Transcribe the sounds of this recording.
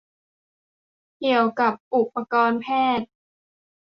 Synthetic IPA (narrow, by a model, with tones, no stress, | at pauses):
ki˨˩əwka˨˩p̚ʔu˨˩pːa˧kɔː˧npʰɛː˥˩t̪̚